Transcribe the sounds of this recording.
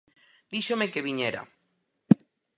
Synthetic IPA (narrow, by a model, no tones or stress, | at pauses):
d̪iʃomekeβiɲeɾa̰